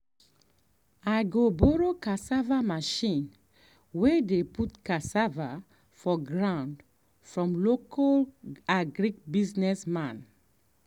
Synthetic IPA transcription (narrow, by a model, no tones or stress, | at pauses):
ajɡobɔɹokasavamaʃĩn | wedeputkasava | fɔɡɹãʊ̃nd | fɹɔ̃mlokʰalaɡɹik̚biznɛsmãn